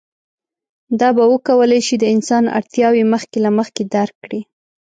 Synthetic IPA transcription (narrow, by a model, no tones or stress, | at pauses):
d̪ɑbawəkawəlajʃid̪əɪnsɑna̰ɽt̪jɑweməxkelaməxked̪aɾkːɽi